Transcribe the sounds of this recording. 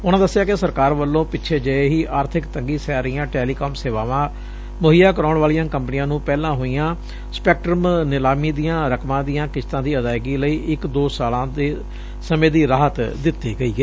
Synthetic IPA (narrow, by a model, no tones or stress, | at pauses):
ʊnãːd̪əsːɪjaːkɪsəɾkaːɾʋəlːõːpɪtːʃʰeːd͡ʒəeɦiːʔaːɾt̪ʰɪkt̪əŋɡiːsɛaːɾəɪijãːʈeːliːkoːmseːʋaːʋãː | mʊɦɪjaːkəɾaːʊɳʋaːlijãːkə̃mpənijãːnũːpɛːlãːɦoːiːãː | spɛːk̚ʈɾəmnɪlaːmiːd̪ijãːɾəkʰmãːd̪ijãːkɪst̪ãːd̪iːəd̪aːɪɡiːləiːʔɪkd̪oːsaːlãːd̪eː | səmẽːd̪iːɾaːɦət̪d̪ɪt̪ːiːɡəiːɡeː